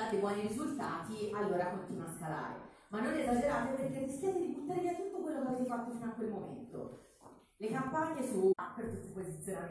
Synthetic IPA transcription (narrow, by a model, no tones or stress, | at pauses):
at̪ebwɔːniɾizult̪aːt̪ialːoːɾakont̪inwaskala̰ːɾḛ | manːonezad͡ʒeɾat̪ːeperkerːiskjaːt̪eɾiput̪aɾeɾeat̪ːut̪ːokwelːokeavɾet̪efat̪ːofinoakːwelmomḛnt̪o̰ | lekampaɲːesuapːeɾt̪supozit̪sjonam